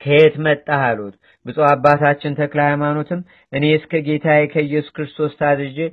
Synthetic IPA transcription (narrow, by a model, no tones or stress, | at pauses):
kʰəhet̪mət̪ʼːaɦalut̪ | bɨsʼoabːat̪ʰat͡ʃːɪnt̪ʰəklahajmano̞t̪ʰɨmː | ʔɨne̞ɨskʰəɡe̞t̪ʰajekʰəjːɛsu̥kɾɨst̪ʰo̞st̪ʰad̪ɾɨd͡ʒi